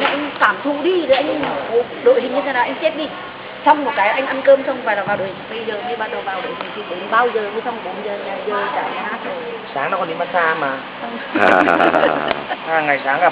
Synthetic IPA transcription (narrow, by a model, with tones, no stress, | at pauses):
a˨˩ʔa˧jŋkaː˧˩mt̪ʰṵ˧˨ɗi˧˨˩ə˨˦ʔa˧jŋ̟ʔŋ˨˩kɔ˨˦ | ɗo̰˧˨jhï˨˩ŋ̟ɲɨ˧e˨˦naː˨˩ʔa˧jŋ̟t͡ɕe˦˥t̚ɗi˧ | t͡ɕɔ˧wŋ͡mmo˨˩t̚kaː˨˦jʔa˧jŋ̟ʔa˧nkəː˧msə˧xfaː˧˩la˨˩vaː˨wɗo̰˧˨hï˨˩ŋɓə˧jzəː˨˩ɲi˧ɓaː˧˩ɗə˨˩vaː˨˩wɗo̰˧˨jhi˨˩ŋt̪ʰi˨˩ɗe˨˦nɓaː˧wzəː˨˩ə˧sa˧ŋ͡mko˨˩˦zəː˨˩ɲaː˨˩zəː˨˩kaː˨˩a˨˧˩ʔa̰ː˧˥t̚ː | saː˨˦ŋna˧˨˦kɔ˧˦nɗi˧ma˦t̚saː˧maː˨˩˨ | ʔaː˨˩ŋa˨˩jsaː˨˦ŋkaː˨˩